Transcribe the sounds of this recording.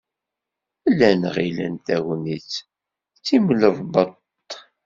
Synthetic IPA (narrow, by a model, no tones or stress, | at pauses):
ælːænʁilə̰nt̪æɣnit͡sː | t͡sːimləvbət̪ː